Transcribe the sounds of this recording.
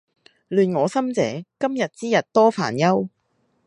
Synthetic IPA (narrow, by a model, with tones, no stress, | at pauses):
lyː˨nŋɔː˨˧sɐ˥mt͡sɛ̰ː˨˥kɐ˥mjɐ˨t̚t͡siː˥jɐ˨t̚t̪ɔː˥fa̰ː˨˩njɐ˥w